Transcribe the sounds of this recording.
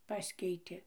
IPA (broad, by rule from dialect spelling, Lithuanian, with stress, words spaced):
ˈpɑːsʲkʲɛɪtʲeː